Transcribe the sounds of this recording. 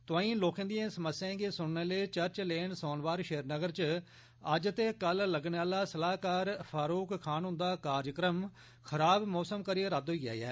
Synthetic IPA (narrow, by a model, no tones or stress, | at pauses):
t̪ʊãːĩːloːkẽnd̪ijãːsəməsjãːɡeːsʊɽneːleːt͡ʃəɾt͡ʃleːɳsoːnʋaːɾʃeːəɾnəɡəɾt͡ʃ | əd͡ʒt̪eːkəlləɡneːaːlaːsəlaːkaːɾpʰaːɾoːkkʰaːnɦʊ̃nd̪aːkaːɾjəkɾəm | kʰəɾaːbmɔːsəmkəɾijeɾad̪oːiːa̰ːɛ̰ː